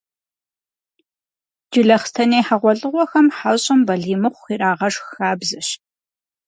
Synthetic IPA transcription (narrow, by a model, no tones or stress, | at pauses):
d͡ʒɪɮɐχstʰɐneːħaʁʷɔɮʼɨʁʷɔxɐmħaɕʼɪmbɐɮiːmɨχʷːiːɾaːʁɐʂxxaːbzɐʃ